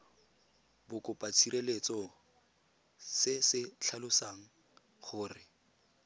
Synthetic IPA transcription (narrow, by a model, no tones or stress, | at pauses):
bʊkʼʊpʼat͡sʰiɾelet͡sɔ | sɪsɪt͡ɬʰalʊsaːŋ̩ | χʊːrɪ